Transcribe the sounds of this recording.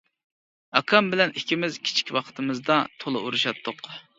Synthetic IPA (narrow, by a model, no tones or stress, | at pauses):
ɑkʰɑmbɪlɛnikʲʰɪmɪzkʲʰi̥t͡ʃʰi̥kʲwɑqʰə̥t̪ʰɨmɨzd̪ɑt̪ʰolˠɨ̰ʔuɾuʃɑt̪ʰːʊq